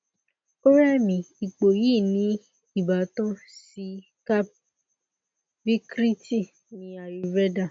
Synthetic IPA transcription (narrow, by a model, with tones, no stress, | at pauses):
o˦ɾɛ˦˨mĩ˨i˨k͡po˨jiː˦˨nĩ˨˦ | i˦˨ba˨tɔ̃˦si˧˦ | ka˦ | bi˦kɾi˦ti˦˨ | nĩ˧˦a˨ɾi˨ɾɛ˦da˦˨